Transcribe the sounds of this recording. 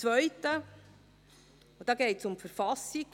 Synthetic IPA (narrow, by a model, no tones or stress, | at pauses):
ʋœʏtə | ʊd̥ɑːɡeɪtsʊmfəɾfɑsiɡ